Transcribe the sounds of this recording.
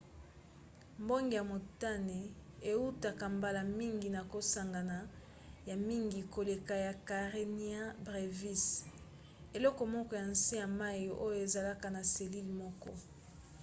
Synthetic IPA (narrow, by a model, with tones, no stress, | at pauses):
mbo˦ŋɡe˨ja˨mo˨ta˦ne˨e˨u˦ta˨ka˨mba˨la˨mi˦ŋɡi˨na˨ko˨sa˨ŋɡa˨na˨ | ja˨mi˦ŋɡi˨ko˨le˨ka˨ja˨ka˨ʁe˦ni˦a˦bʁe˨vi˦s | e˨lɔ˦kɔ˨mɔ˦kɔ˦ja˨n̩˨si˦ja˨ma˦jʔo˦jo˨e˨za˨la˦ka˨na˨se˨li˦lmɔ˦kɔ˦